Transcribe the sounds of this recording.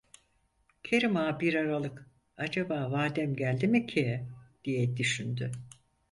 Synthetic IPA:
cʰeɾimaːbiɾaɾalˠɯk | ad͡ʒabaːvaːd̪ɛmɟælʲd̪imicʰeɛd̪̥ijɛd̪yʃynd̪y

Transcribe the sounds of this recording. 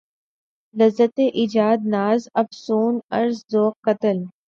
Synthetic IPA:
lɐzːət̪eʔid͡ʒaːd̪̚naːzɐfsuːnɐɾzzoːqqːɐt̪əl

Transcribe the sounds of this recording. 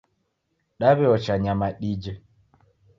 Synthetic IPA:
ɗaβɛɔt͡ʃaɲamaɗid͡ʒɛ

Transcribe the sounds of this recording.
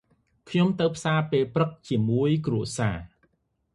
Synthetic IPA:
kʰɲomt̪ɨwpʰsaːpeːlprɨk̚t͡ɕiəmuəjkruəsaː

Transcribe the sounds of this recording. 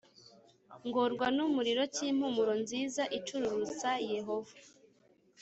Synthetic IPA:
ŋɡoɾɡwanumuɾiɾo̞ciːm̥humuɾo̞nziːzaʔit͡ʃuɾuɾut͡saje̞ɦo̞va

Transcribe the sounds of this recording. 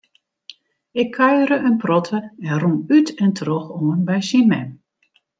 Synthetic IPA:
ɪkʰːœɥəɾəʔənprɔtʰəɛnrumytʰɛntroxoənbɛjsimɛ̰m

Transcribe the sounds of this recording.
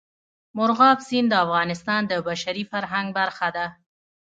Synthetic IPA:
mʊɾɣɑfsind̪əafɣɑnɪst̪ɑnd̪əbaʃaɾifaɾɦaŋɡ̚baɾxad̪a

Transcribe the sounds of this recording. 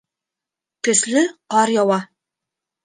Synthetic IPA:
kɘ̆slɘqɑɾjɑwɑ

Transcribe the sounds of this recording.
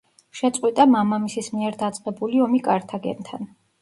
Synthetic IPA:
ʃɛt̪sʼqʼwit̪ʼamamamisismiɛɾd̪at̪sʼqʼɛbuliɔmikʼaɾt̪ʰaɡɛ̰nt̪ʰa̰n

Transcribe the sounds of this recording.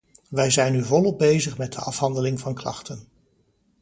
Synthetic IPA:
ʋɛjzɛjnyvɔlɔb̚bejzəχmɛd̚dəʔɑfɦɑndəlɪŋvɑnklɑ̰χtən

